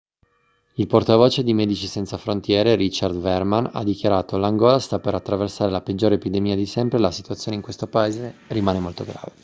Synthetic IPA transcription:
ilport̪avoːt͡ʃed̪imɛːd̪it͡ʃisɛnt̪safɾont̪jɛːɾeɾit͡ʃard̪vɛrmana̰d̪ikjaɾaːt̪olaŋɡɔːlast̪apeɾat̪ːɾaversaːɾelaped͡ʒːoːɾepid̪emiːad̪isɛmpɾelasit̪uat̪sjoneiŋkwest̪opaeːzerimaːnemolt̪oɡɾa̰ːve

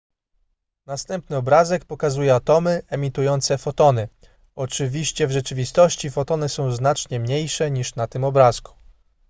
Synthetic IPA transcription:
nast̪ɛmpnɘɔbɾazɛkpɔkazujɛat̪ɔmɘɛmʲit̪ujɔnt̪sɛfɔt̪ɔnɘ | ɔt͡ʂɘvʲiɕt͡ɕɛvʐɛt͡ʂɘvʲist̪ɔɕt͡ɕifɔt̪ɔnɘsɔ̃w̃znat͡ʂɲɛmɲejʂɛɲiʂnat̪ɘmɔbɾasku̥

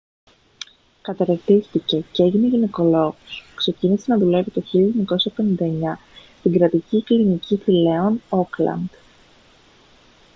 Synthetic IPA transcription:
kɐt̪ɐɾet̪ist̪ice̞ce̞ʝine̞ʝine̞ko̞lo̞ɣuskse̞cinise̞nɐðule̞vit̪o̞çiʎɲɐko̞sɐpe̞nind̪ɐeɲɐst̪iŋɡɾɐt̪iciklinicifile̞o̞no̞klɐ̰nd̪̥

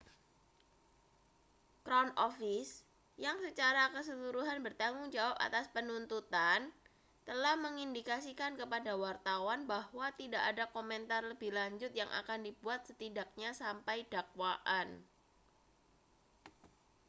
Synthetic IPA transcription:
kɾanɔfɪs | jaŋsət͡ʃaɾakəs̬əluɾuɦanbərt̪aŋʊŋd͡ʒawapa̰t̪aspənunt̪ut̪an | t̪əlahməŋindikasikankəpadawart̪awanbahwat̪idaʔadakomɛnt̪arləbɪhlaɲd͡ʒʊt̪̚jaŋʔa̰kandibuat̪̚sət̪idak̚ɲasampajd̥akwaʔan

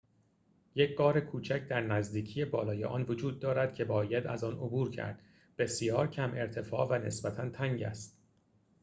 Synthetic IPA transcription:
je̞cʰɡɒːɾe̞kʰuːt͡ʃʰæcʰd̪æɾnæzd̪iːcʰije̞bɒːlɒːjḛʔɒ̰ːnvod͡ʒuːd̪̚ːɒːɾæd̪̥̚kcʰe̞bɒːjæd̪æ̰zɒːnobuːɾcʰæ̰ɾd̪̥ | b̥e̞sjɒːɾcʰæmʔe̞ɾt̪ʰe̞fɒːvæne̞̰sbæt̪ʰænt̪ʰæŋɟæ̰st̪

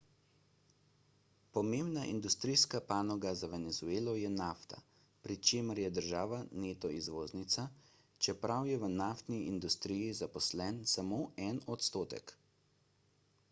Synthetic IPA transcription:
pɔmembnaʔḭnd̪ust̪ɾiːskapaːnɔɡazaʋɛnɛzueːlɔjɛnaft̪a̰ | pɾit͡ʃeːməɾjɛd̪əɾʒaːʋaneːt̪ɔizʋoːznit̪sa | t͡ʃɛpɾawjɛʋənaft̪niind̪ust̪ɾiːjizapɔslɛnsamoːɛnɔt̪st̪oːt̪ɛ̰k

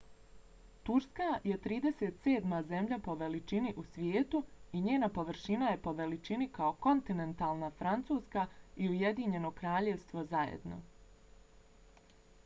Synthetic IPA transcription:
t̪uɾskaje̞t̪ɾiːd̪e̞seːt̪seːd̪maze̞mʎapo̞ʋe̞lit͡ʃiniʔusʋjeːt̪uiɲeːnapo̞ʋr̩ʃinaje̞po̞ʋe̞lit͡ʃinikao̞ko̞nt̪ine̞nt̪aːlˠnafɾant̪suːskaiuje̞d̪iɲe̞no̞kɾaːʎeʋst̪ʋo̞zajḛd̪no̞̰

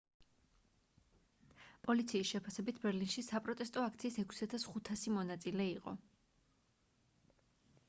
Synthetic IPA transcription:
pʼɔlit̪sʰiːsʃɛpʰasɛbit̪ʰbɛɾlinʃisapʼɾɔt̪ʼɛst̪ʼɔak̚ʰt̪sʰiːsɛkʰsiat̪ʰasχut̪ʰasimɔnat̪sʼilɛiqʼɔ̰

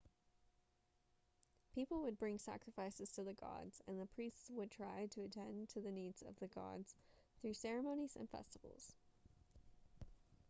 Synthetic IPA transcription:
pʰipl̩ˠwəd̚bɹɪ̃ŋsæ̰kɹɨfaɪsɨz̥tʰɨðɨɡɑ̰dz̥ɨ̃nðəpʰɹ̥istswəd̚tʰɹ̥aɪɾɨɨtʰɛ̃ntʰɨðɨnidz̥ʌ̰vðɨɡɑ̰dz̥ | θɹʉsɛɹɨmõʊ̃ñiz̥ɨ̰̃nfɛ̰stəvl̩ˠz̥

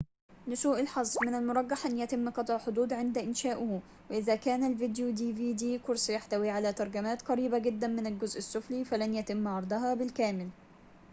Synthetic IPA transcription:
nʊsuːʔɪlħɑzˤmɪnalmʊɾˤɑɡːɑħʔænːjæt̪ɪmːqɑt̪ˤʕħod̪uːd̪ʕɪnd̪æʔɪnʃæːʔʊhu | wɪʔɪðæːkæːnælvid̪jud̪iːviːd̪iːkʊɾˤsˤjaħt̪æwiːʕalæːt̪ɑɾˤɡæmæːt̪qɑɾiːbæɡɪd̪ːænmɪnælɡʊzʔɪsːʊfliːfælænjæt̪ɪmːʕɑɾˤd̪ˤɑɦɑbɪlkæːmɪl

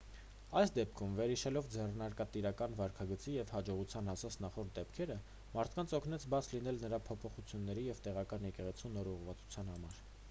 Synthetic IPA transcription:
ɑjsd̪ɛp̚kʰumvɛɾhiʃɛlɔvd͡zɛrnɑɾkɑt̪iɾɑkɑnvɑɾkʰɑɡət͡sijɛvhɑd͡ʒɔʁut͡sʰjɑnɑsɑt͡sʰnɑχɔɾt̪̚d̪ɛpkʰɛɾə | mɑɾt̪ʰkɑnt͡sʰɔkʰnɛt͡sʰbɑt͡sʰlinɛlnəɾɑpʰɔpʰɔχut͡sʰjunːɛɾijɛvt̪ɛʁɑkɑnjɛkɛʁɛt͡sʰunɔɾuʁvɑt͡su̥t͡sʰjɑn̪hɑmɑɾ

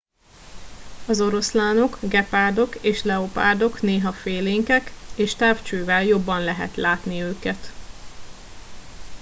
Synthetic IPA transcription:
ɒzo̞ɾo̞slaːno̞kɡɛpaːrd̪o̞keːʃlɛopa̰ːrd̪o̞kneːɦɒfeːleːŋkɛkeːʃt̪aːft͡ʃøːvɛljo̞bːɒnlɛɦɛ̰t̪laːt̪niøːkɛt̪

